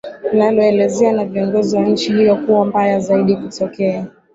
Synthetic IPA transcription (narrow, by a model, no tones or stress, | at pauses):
nalɔɛlɛzɛanaviɔŋɡɔziwanɲ̩t͡ʃihijɔkuwambajazaiɗikutɔkɛa